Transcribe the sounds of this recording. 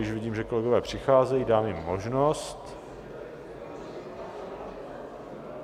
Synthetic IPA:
ɪʃvɪɟiːmʒɛko̞lɛɡovɛːpr̝̥ɪxaːzɛjiːdaːmjɪmːo̞ʒnost̪

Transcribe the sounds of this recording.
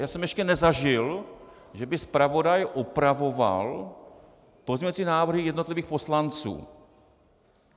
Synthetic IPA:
jaːsɛmjɛʃcɛnɛzaʒɪl | ʒɛbɪspɾavo̞dajʔupɾavo̞va̰l | pozmɲvat͡siːnaːvr̩ɦɪjɛdnot̪lɪviːxpo̞slant͡sṵː

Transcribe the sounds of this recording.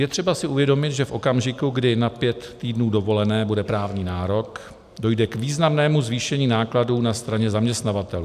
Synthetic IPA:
jɛt̪r̝̥ɛbasɪʔuvjɛdo̞mɪt̪ʒɛfʔo̞kamʒɪkuɡdɪnapjɛt̪ːiːdnuːdo̞vo̞lɛnɛːbudɛpɾaːvɲiːnaːɾo̞k | do̞jdɛkviːznamnɛːmuzviːʃɛɲiːnaːkladuːnast̪ɾaɲɛzamɲɛst̪navat̪ɛlu

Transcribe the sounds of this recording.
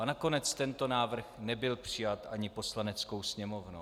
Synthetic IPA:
anako̞nɛt͡st̪ɛnt̪o̞naːvr̩xnɛbɪlpr̝̥ɪjat̪ʔaɲɪpo̞slanɛt͡sko̞wsɲɛmo̞vnow

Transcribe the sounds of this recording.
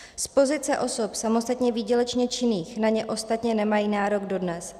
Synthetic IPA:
spo̞zɪt͡sɛʔo̞sopsamo̞st̪at̪ɲɛvɪːɟɛlɛt͡ʃɲɛt͡ʃɪniːxnaɲɛʔo̞st̪at̪ɲɛnɛmajiːnaːɾo̞ɡdo̞dnɛs

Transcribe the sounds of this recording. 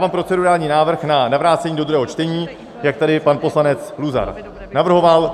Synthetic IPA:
vaːmpɾo̞t͡sɛduɾaːlɲiːnaːvr̩xnanavɾaːt͡sɛɲiːdod̪ɾuɦɛːɦo̞t͡ʃt̪ɛɲiː | jak̚t̪adɪpanpo̞slanɛt͡sluza̰ɾ | navr̩ɦo̞val

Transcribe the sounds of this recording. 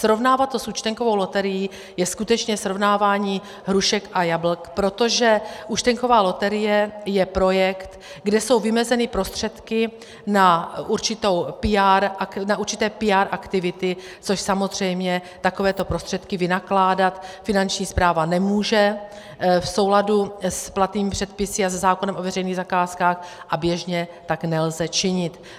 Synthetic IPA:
sɾo̞vnaːvat̪ːosut͡ʃt̪ɛŋko̞vo̞wlo̞t̪ɛɾɪjiː | jɛskut̪ɛt͡ʃɲɛsɾo̞vnaːvaːɲiː | ɦɾuʃɛkʔajabl̩kpɾo̞t̪o̞ʒɛʔut͡ʃt̪ɛŋko̞vaːlo̞t̪ɛɾɪjɛjɛpɾo̞jɛkt̪ | ɡdɛso̞wvɪmɛzɛnɪpɾo̞st̪r̝̥ɛt̪kɪ | naʔuɾt͡ʃɪt̪o̞wpɪaːɾʔaknaʔuɾt͡ʃɪt̪ɛːpɪaːɾʔakt̪ɪvɪt̪ɪ | t͡so̞ʃsamo̞zr̝ɛjmɲɛt̪ako̞vɛːt̪o̞pɾo̞st̪r̥ɛt̪kɪvɪnaklaːdat̪fɪnant͡ʃɲiːspɾaːvanɛmuːʒɛ | fso̞wladusplat̪niːmɪpr̥ɛt̪̚pɪsɪazɛzaːko̞nɛmʔo̞vɛrɛjniːɣzakaːskaːxʔabjɛʒɲɛt̪aknɛlzɛt͡ʃɪɲɪt̪

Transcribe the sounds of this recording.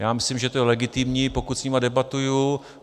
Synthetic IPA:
jaːmɪslimʒɛt̪ojɛlɛɡɪt̪ɪmɲiːpo̞kut̪sɲimadɛbat̪uju

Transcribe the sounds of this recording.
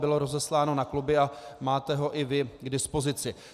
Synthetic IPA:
bɪlo̞ɾo̞zɛslaːno̞naklubɪamaːt̪ɛɦo̞ʔɪvɪɡdɪspo̞zɪt͡sɪ

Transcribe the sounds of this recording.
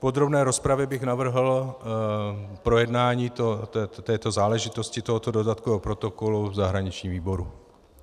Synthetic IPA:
po̞d̪ɾo̞bnɛːɾo̞spɾavjɛbɪɣnavr̩ɦl̩ | pɾo̞jɛdnaːɲiːt̪oɛt̪ɛːt̪o̞zaːlɛʒɪt̪o̞scɪt̪o̞ɦot̪odo̞dat̪koopɾo̞t̪o̞ko̞luzaɦɾaɲɪt͡ʃɲiːmviːbo̞ɾu

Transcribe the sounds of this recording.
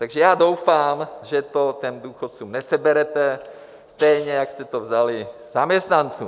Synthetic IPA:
t̪aɡʒɛjaːdowfaːmʒɛt̪ot̪ɛmd̪uːxot̪t͡suːmnɛsɛbɛɾɛt̪ɛ | st̪ɛjɲɛjakst̪ɛt̪ovzalɪzamɲɛst̪nant͡sṵːm

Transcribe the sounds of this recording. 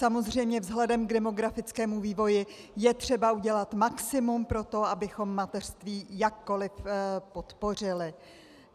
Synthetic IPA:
samo̞zr̝ɛjmɲɛvzɦlɛdɛmɡdɛmo̞ɡɾafɪt͡skɛːmuviːvo̞jɪ | jɛt̪r̝̥ɛbauɟɛlat̪maksɪmumpɾo̞t̪o̞abɪxo̞mːat̪ɛr̝̥st̪viːjakːo̞lɪfpo̞t̪po̞r̝ɪlɪ

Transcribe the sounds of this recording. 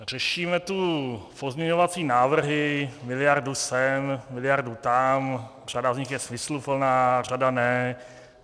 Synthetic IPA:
r̝̥ɛʃiːmɛt̪upo̞zmɲɛɲovat͡siːnaːvr̩ɦɪmɪlɪjaɾdusɛmmɪlɪjaɾdut̪am | r̝̥adavzɲɪxjɛsmɪslupl̩naːr̝adanɛ

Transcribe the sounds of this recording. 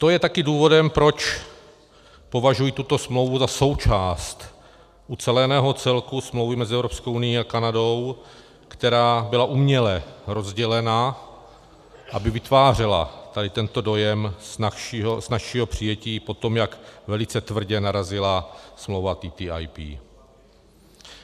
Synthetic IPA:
t̪o̞jɛt̪akɪduːvo̞dɛmpɾo̞t͡ʃ | po̞vaʒujit̪ut̪o̞smlo̞wvuzaso̞wt͡ʃaːst̪ | ʔut͡sɛlɛnɛːɦo̞t͡sɛlkusmlowvɪmɛzɪʔɛvɾo̞pskowʔunɪjiakanado̞w | kt̪ɛɾaːbɪlaʔumɲɛlɛɾo̞zɟɛlɛna | ʔabɪvɪt̪vaːr̝ɛla̰t̪adɪt̪ɛnt̪o̞do̞jɛmaiznaʃiːɦo̞pr̝̥ɪjɛciːpo̞t̪o̞mjakvɛlɪt͡sɛt̪vr̩ɟɛnaɾazɪlasmlowvat̪it̪iʔa̰jpḭː

